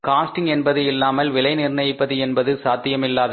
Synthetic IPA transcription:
kaːsʈɪŋɛnbɐðɯɪlːaːmɐlʋɪlɐɪnɪrnɐjɪpːɐðɯɛnbɐðɯsaːt̪ːɪjɐmɪlːaːðɐ

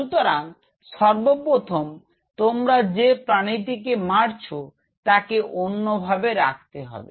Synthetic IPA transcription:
ut̪oɾan | ʃɔɾbopɾot̪ʰom | t̪omɾad͡ʑepɾanit̪ikemaɾt͡ɕʰo | t̪akeʔonːobʱabeɾak̚ʰt̪eɦɔ̰bḛ

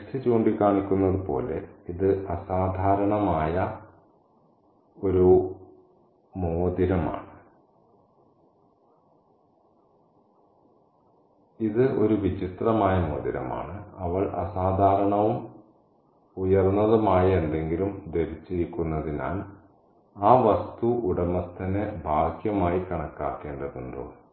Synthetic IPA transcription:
etɨt͡ɕoːɳɖikːaːɳikʲːunːɐðɨpo̞̰ːle̞̰iðɨʔɐsaːd̪ʱaːɾɐɳɐmaːjɐ | o̞ɾu | moːd̪iɾɐma̰ːɳɨ | iðɨʔo̞̰ɾuʋit͡ɕit̪rɐmaːjɐmo̞ːd̪iɾɐ̰ma̰ːɳɨɐʋɐɭʔɐ̰saːd̪ʱaːɾɐɳɐʋum | ujɐrnːɐðɐmaːjɐend̪e̞ŋɡilumd̪eɾit͡ɕːiɾikʲːunːɐðina̰ːl | aːʋɐst̪uuɽɐmɐt̪ːɐnebʱaːkjɐmaːjikɐɳɐkːa̰ːkːe̞ːɳɖɐðuɳɖo̰ː

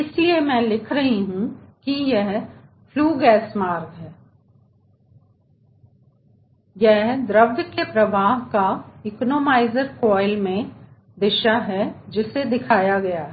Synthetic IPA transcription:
ɪsliemɛ̃ːlɪkʰɾɐɦiɦũkijɛɦ | fʰluːɡɛːsmaːɾɡɦɛː | jɛɦd̪ɾɐbd̪kepɾɐʋaːɦkaɪknoːmaːɪzəɾkɔːɪlmẽ | d̪ɪʃaɦɛd͡ʒɪsed̪ɪkʰaːjaɡɐjaɦɛɛ

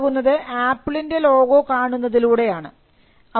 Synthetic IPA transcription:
ɣunːɐðɨʔaːpːɭinde̞lo̞ːɡo̞kaːɳunːɐðiluːɽe̞jaːɳɨ̰ | ɐ

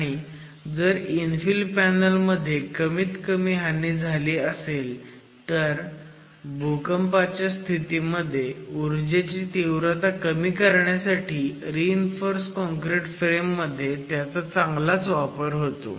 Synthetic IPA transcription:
aɽ̃i | d͡zəɾinfilpænəlməd̪ʱːjekəmiːt̪kəmiːɦanːiːd͡zʱaliːəsel | t̪əɾ | bukəmpat͡ɕjast̪ʰit̪iməd̪ʱːjeuɾd͡ʑet͡ɕiːt̪iwɾət̪akəmiːkəɾɳjasaʈʰiːɾiːnfoɾskɔ̃ŋkɾeʈfɾemːəd̪ʱːjet̪jat͡sat͡sãŋɡlat͡sʋapəɾɦot̪o̰

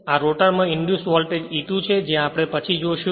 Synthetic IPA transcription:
aɾoʈəɾmãɪɳɖjusʋɔlʈed͡ʒit̪ũt͡ʃʰed͡ʒẽapɽ̃epət͡ʃʰid͡ʒoʃu

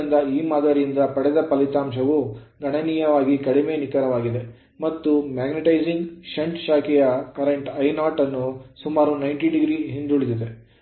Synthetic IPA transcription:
ind̪ɐiːmaːd̪ɐːɾijind̪ɐpɐɽɛd̪ɐpɐlit̪aːmʃɐʋu | ɡɐɳɐniːjɐʋaːɡikɐɽime̞nikɐɾɐʋaːɡid̪e̞ | mɐt̪ːumaːɡniʈɐjd͡ʒiŋɡʃɐɳʈʃaːkɛjɐkɐɾeɳʈɐjnaːʈɐnːusumaːɾunɐjɳʈiɖiɡɾiɦind̪uɭid̪id̪e

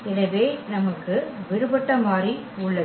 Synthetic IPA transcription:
ɛnɐʋeːnɐmɐkːɯʋɪɾɯbɐʈːɐmaːɾi | ʊɭːɐ

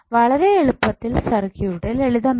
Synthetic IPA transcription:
ʋɐɭɐɾeeɭupːɐt̪ːilsɐrɐkːijuɽeleɭiðɐnː

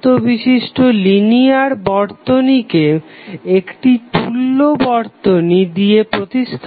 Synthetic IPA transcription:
t̪obiʃiʃʈoliniaɾbɔɾt̪onikeekʈit̪ulːobɔɾt̪onid̪iepɾot̪iʃt̪ʰ

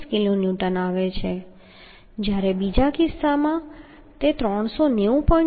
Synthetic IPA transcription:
skilonjuʈənaʋet͡ʃʰe | d͡ʒjaɾebid͡ʒakɪsːamã | t̪et̪ɾɔɳ̃soneũpɔ̃

